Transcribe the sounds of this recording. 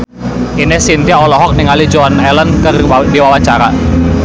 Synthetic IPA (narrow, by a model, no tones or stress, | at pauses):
inɪhsint̪iaɔlɔɦɔk̚nɪŋalid͡ʒoanɛlənkərdiwawaɲt͡ʃaɾa